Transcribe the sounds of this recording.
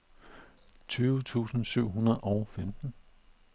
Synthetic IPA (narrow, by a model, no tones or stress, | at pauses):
t͡sʰyːʊt͡sʰṵːsn̩syʊ̰ɦunɐð̩ˠɒʊfemd̥n̩